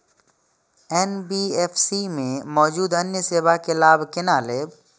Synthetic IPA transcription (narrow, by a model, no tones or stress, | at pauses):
ɛːnbiːeːfʰsimẽmɔːd͡ʒuːd̪ɐnjəseːwakelaːbkɪnaːleb